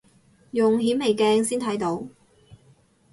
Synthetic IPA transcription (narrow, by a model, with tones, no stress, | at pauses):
jʊ˨ŋɦiː˨˥me˨˩jkɛː˧ŋsiː˥nt̪ʰɐ˨˥jt̪o˨˥w